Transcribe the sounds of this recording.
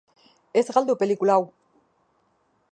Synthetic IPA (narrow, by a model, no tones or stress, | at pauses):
e̞zɣald̪upe̞likulaːw